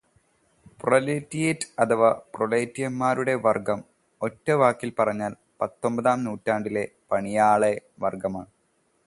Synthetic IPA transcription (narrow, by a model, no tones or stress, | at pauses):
proleːtːijetːɐt̪ʰɐʋɐproleːtːijɐmːaːɾuɽe̞ʋɐrɡɐm | o̞tːɐʋaːkːilpɐrɐɲːaːl | pɐt̪ːo̞mbɐðaːmnuːtːaːɳɖile̞pɐɳijaːɭeʋɐrɡɐmaːɳɨ